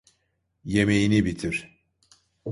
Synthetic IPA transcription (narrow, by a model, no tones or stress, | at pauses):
je̞mejinibit̪ʰiɾ̥